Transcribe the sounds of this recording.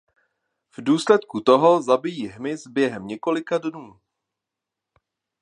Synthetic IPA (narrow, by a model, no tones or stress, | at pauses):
vduːslɛt̪kut̪oɦo̞zabɪjiːɦmɪzbjɛɦɛmɲɛko̞lɪkadnuː